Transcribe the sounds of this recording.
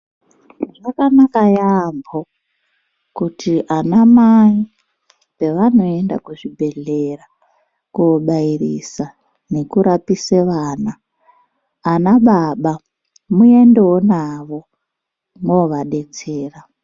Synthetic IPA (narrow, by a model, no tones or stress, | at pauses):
ʐakanakajambo | kutiʔanamai | pe̞ʋano̞e̞nda̰kuʐibʱe̞ɮera | kuoɓairisa | ne̞kuɾapiseʋaːnaː | naɓaɓa | mue̞ndewonaʋo̞ | moʋaɗe̞t͡seːra